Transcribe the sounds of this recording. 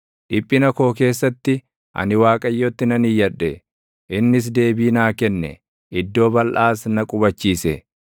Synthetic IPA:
ᶑɪpʼːɪnɐko̞ːke̞ːsːɐt̪ːɪ | ʔɐ̰nɪwaːkʼɐjːoːt̪ːɪnɐnɪjːɐᶑːɛ | ʔɪnːɪs̬d̪e̞ːbiːnaːkɛnːɛ̰ | ɪd̪ːo̞ːbɐlʔaːsnɐkʼʊbɐt͡ʃːiːsɛ

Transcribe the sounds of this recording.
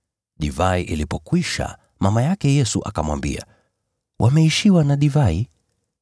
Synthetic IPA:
ɗivaiʔilipɔkwiʃa̰ | mamajakɛjɛsuʔakamwa̰mbḭa̰ | wʔamɛiʃiwanaɗivai

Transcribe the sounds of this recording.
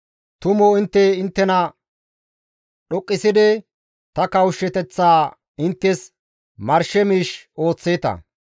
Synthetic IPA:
t̪ʊmoɪnt̪ːɛɪnt̪ːɛnɐ | ɗɔkʼːɪsɪd̪ɛ | t̪ɐkɐwʃːɛt̪ɛt͡sːaː | ɪnt̪ːɛs | mɐɾʃɛmiːʃo̞ːt͡sːeːt̪ɐ̰

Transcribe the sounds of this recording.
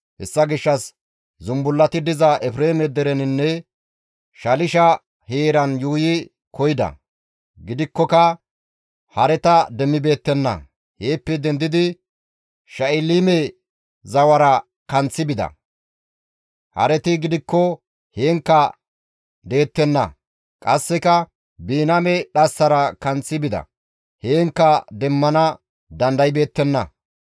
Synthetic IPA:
hɛ̰sːɐɡɪʃːɐs | zʊmbʊlːɐt̪ɪd̪ɪzɐʔɛfɾe̞ːmɛd̪ɛɾɛnɪnːɛ | ʃɐlɪʃɐ | heːɾɐnjuːjɪ | kɔjɪd̪ɐ̰ | ɡɪd̪ɪkːɔkɐ | hɐɾɛt̪ɐd̪ɛmːɪbe̞ːt̪ːɛnːɐ̰ | heːpːɛd̪ɛnd̪ɪd̪ɪ | ʃɐɪlimɛ | zɐwɐɾɐ | kɐnt͡sːɪbɪd̪ɐ̰ | hɐ̰ɾɛt̪ɪɡɪd̪ɪkːɔ | heːŋkːɐ | d̪e̞ːt̪ːɛnːɐ̰ | kʼɐsːɛkɐ | biːnɐmɛɗɐsːɐɾɐkɐnt͡sːɪbɪd̪ɐ̰ | heːŋkːɐd̪ɛmːɐnɐ | d̪ɐnd̪ɐjbe̞ːt̪ːɛnːɐ̰

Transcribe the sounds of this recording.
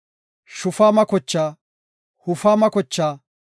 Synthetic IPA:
ʃʊfaːmɐkɔt͡ʃːaː | hʊfaːmɐkɔt͡ʃːaː

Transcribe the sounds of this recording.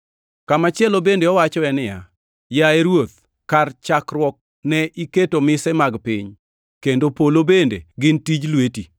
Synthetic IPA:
kamat͡ʃɪɛlobendeɔwat͡ʃɔɛnɪja | jaɛɾwot̪̚ | kart͡ʃakrwɔk̚ | nɛʔiketomɪsɛmaɡpɪɲ | kendopolobendeɡɪntid͡ʒlweti

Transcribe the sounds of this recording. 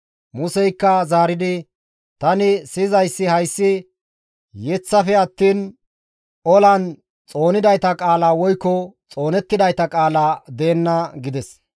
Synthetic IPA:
mʊsɛjkːɐzaːɾɪd̪ɪ | t̪ɐnɪsɪzɐjsːɪhɐjsːɪ | jɛt͡sːɐfɛɐt̪ːiːn | ɔlɐn | t͡sʼo̞ːnɪd̪ɐjt̪ɐkʼaːlaːwɔjkːɔt͡sʼo̞ːnɛt̪ːɪd̪ɐjt̪ɐkʼaːlaːd̪e̞ːnːɐɡɪd̪ɛs

